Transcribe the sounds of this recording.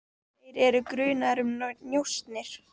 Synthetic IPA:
ejɾɛɾʏkɾʏːnaɾʏmnjowst̪nɪɾ̥

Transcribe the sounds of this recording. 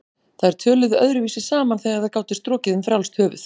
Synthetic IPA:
θaðɛɾ̥t̪ʰœːlʏðʏœðɾʏviːsɪ̥saːmanθɛjɣaɾθaðkaːwt̪ɪst̪ɾɔːcɪðʏmfɾjawlst̪ʰhœːvʏ̰θ

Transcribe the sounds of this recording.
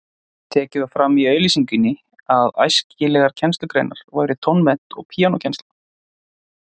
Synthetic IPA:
t̪ʰɛːcɪðafɾamiœɥlisiŋcʏnːɪ | aða̰jscɪlɛɣaɾ̥cʰɛnst̪lʏkɾḛjnaɾ̥vajɾʏt̪ʰɔnmɛn̥t̪ɔɣpʰiːanɔcʰɛnst̪l

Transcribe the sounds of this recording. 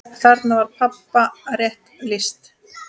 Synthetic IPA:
θaɾt̪navaɾ̥pʰapːarjɛht̪lɪst̪

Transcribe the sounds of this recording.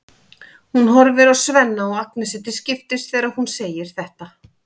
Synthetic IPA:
hunɦɔɾvɪɾawsvɛnːaɔɣaknɪsɛt̪ɪscɪft̪ɪst̪θɛːɾaðhunseːjɪɾ̥θɛht̪a

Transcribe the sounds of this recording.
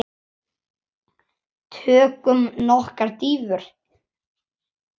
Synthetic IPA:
t̪ʰœːkʏmnɔhkaɾt̪iːvʏɾ̥

